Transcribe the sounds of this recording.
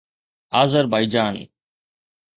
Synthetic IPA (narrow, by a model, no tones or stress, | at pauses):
aːzəɾbajd͡ʒaːn